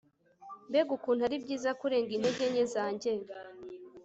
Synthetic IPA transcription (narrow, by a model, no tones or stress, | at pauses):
mbeɡukuːnaɾibɟiːzakuɾe̞ːŋɡinheɟeɲezaːɲɟeɾ